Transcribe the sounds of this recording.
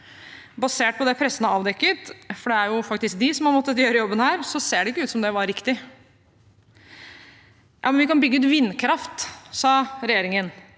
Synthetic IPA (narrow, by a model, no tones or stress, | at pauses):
bɑseːʈ̚pʰɔd̪ɛpʰɾɛsːənəɑːʋd̪ɛkːət̪fɔɖɛæɾjʊfɑkt̪ɪsk̚d̪ɪsɔmhɑɾmɔt̪ːət̪jøːɾəjɔbːənhæːɾsɔseːɖɛɪkːəʉːt̪sɔmd̪ɛʋɑɾɾɪkt̪ɪ | jʔɑːmɛnʋɪkɑnbʏɡːəʉːt̪ʋɪnːkʰɾɑft̪sɑːɾɛjeːɾɪŋən